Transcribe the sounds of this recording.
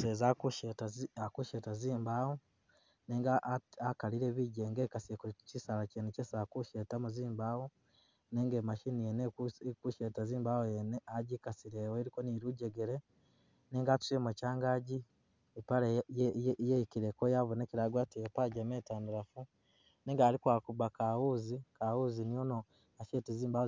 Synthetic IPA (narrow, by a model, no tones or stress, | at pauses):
sezakuʃetaakuʃetaziːmbaːwo | neːŋɡaakaliɾeβiɟeːŋɡeːkasiekucisalacenecesakuʃetamuziːmbaːwo | neːŋɡemaʃinijenekuʃetaziːmbawojeneaɟikasiɾewoeɾiko̞niɾuɟeɡeɾe | neːŋɡatu̥semocaːŋɡaɟi | ipale | jeikiɾekojaβoneciɾaɡwaːtijepaɟameːtaːndiɾafu | neŋɡaːɾikwaːkuβakawuzikawuzinijono | aʃeːteziːmba